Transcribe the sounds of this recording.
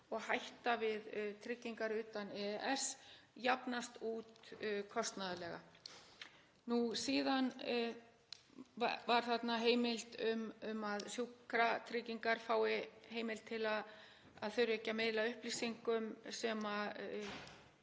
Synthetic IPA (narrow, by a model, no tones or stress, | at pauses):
ɔɣhajht̪avɪðt̪ʰɾɪcːiŋkaɾʏːt̪anɛɛsjapnast̪uːt̪kʰɔst̪naðalɛɣa̰ | nusiːðan | vaɾ̥θat̪naɦeːjmɪlt̪ʏmʏmaðsjuːkɾat̪ʰɾɪciŋkaɾ̥faːwɪheːjmɪlt̪ʰɪlað | aðθœɥɾɛcamɪðlaʏhplisiŋkʏmsɛma